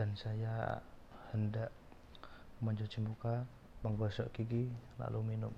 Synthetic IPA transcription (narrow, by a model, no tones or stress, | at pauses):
ansaja | həndaʔ | məɲd͡ʒɔt͡ʃimuka | məŋɡɔsɔʔkiɡila̰luminʊm